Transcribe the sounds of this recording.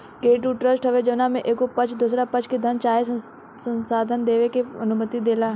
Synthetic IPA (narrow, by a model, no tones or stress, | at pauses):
keːʈuʈɾəsʈɦɐʋed͡ʒɐʋnamẽʔeːkopɐt͡ʃʰd̪uːsɾapɐt͡ʃʰked̪ʱɐnt͡ʃaːɦes | sə̃nsaːd̪ʱənd̪eːʋekeɐnʊmət̪id̪eːlaː